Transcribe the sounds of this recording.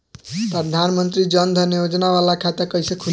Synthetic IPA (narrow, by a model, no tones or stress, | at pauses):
pɾʌd̪ʱanmənt̪ɾid͡ʒʌnd̪ʱʌnejod͡znawalakʰat̪akʌjsʌkʰu